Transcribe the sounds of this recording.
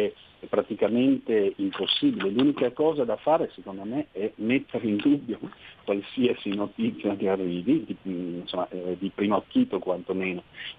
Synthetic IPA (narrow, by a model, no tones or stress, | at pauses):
ɛ | ɛpːɾat̪ikament̪eimposːiːbileluːnikakɔːzad̪afaːɾesekond̪omeɛmet̪ːeɾeind̪ubːjokwalsiasinot̪it̪sːjak̪earːiːvid̪insomːad̪ipɾimokːiːt̪okwant̪omeːno